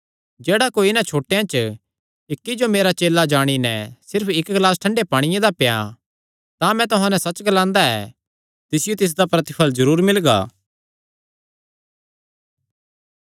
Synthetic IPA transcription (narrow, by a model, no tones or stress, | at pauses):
d͡ʒeːɽakoːinãt͡ʃʰoːʈejãt͡ʃ | ɪkːid͡ʒomeːɾat͡ʃeːlad͡ʒaːɽ̃inɛ̃sɪɾpʰɪkɡlaːsʈʰɐ̃ɳɖepaːɽ̃ɪjẽd̪apeja̰ | t̪amɛ̃t̪ʊɦãnɛsɐt͡ʃːɡɐlãːnd̪aɛ̰ː | t̪ɪsɪjot̪ɪs̬d̪apɾɐt̪ɪpʰəlzɐɾuːɾmɪlɡa̰ː